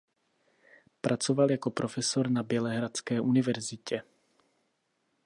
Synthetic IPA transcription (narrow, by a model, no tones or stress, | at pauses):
pɾʔat͡sovaljako̞pɾofɛsoɾnabjɛlɛɦɾat͡skɛːʔunɪvɛɾzɪcɛ